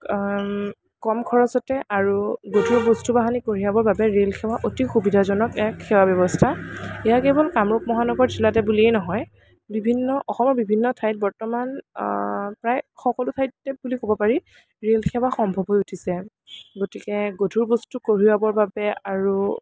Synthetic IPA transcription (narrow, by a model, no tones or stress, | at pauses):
kɔmkʰɔɹɔsɔtɛʔaɹuɡodʱuɹbɔstubaɦanikoɹiabɔɹbabɛɹelxʰɛwaʔotixubidʱazɔnɔkɛkxɛwabjɔbɔstʰaijakebɔlkamɹup̚mɔɦanɔɡɔɹzilatɛbuliɛjnɔɦɔj | bibʱinːɔʔɔxɔmɔɹbibʱinːɔtʰajt̚bɔɹtɔman | pɹajxɔkɔlʊtʰajtːɛbulikobɔpaɹi | ɹelxʰɛwaxɔmbʱɔbɦojutʰisɛ | ɡotikɛɡodʱuɹbostukoɹiabɔɹbabɛaɹu